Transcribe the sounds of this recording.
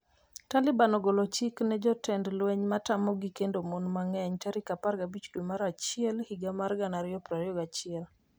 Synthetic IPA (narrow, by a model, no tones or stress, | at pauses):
talɪbanɔɡolɔt͡ʃiknɛd͡ʒɔtɛndlwɛɲmatamɔɡikendomonmaŋɛɲtaɾikaparɡabit͡ʃdwemaɾat͡ʃɪɛlhiɡamarɡanaɾɪjɔpɾaɾjɔɡat͡ʃɪɛl